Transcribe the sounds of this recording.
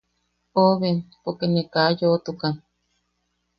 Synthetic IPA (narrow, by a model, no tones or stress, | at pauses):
oβenpokenekajot̪ukan